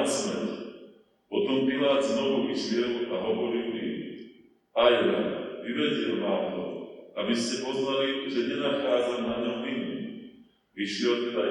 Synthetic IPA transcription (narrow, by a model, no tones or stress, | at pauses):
smɛɾ | pɔt̪ɔmpilaːd̪znɔʋuʋiʃljɪɛlaɦɔʋɔɾilmi | aja̰ʋiʋɛɟɛlnaːmt̪ɔabiscɛpɔznaliʒɛɲɛnaxaːd͡zamnaɲɔmini | ʋiʃjɛlt̪ɛd̪a